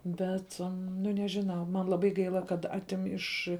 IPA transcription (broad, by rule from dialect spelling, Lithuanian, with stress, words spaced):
ˈbʲɛt nʊ ˈnʲæːʒʲɪˌnɐʊ mɐn lˠɐˈbɐɪ ˈɡɐɪlˠɐ kɐt ˈɑːtʲɪm ˈɪʃ